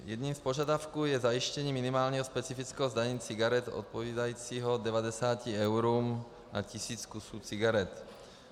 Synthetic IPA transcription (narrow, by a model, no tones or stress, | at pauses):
jɛ̰d̪ɲimspoʒad̪afkuːjɛzajiʃcɛɲiːminimaːlɲɛɦɔspɛt͡sifit͡skɛɦɔzd̪aɲiːt͡siɡaɾɛt̪o̰t̪̚poviːd̪ajiːt͡siːɦɔd̪ɛvad̪ɛsaːciɛwɾuːm | na̰cisiːt͡skusuːt͡siɡaɾɛt̪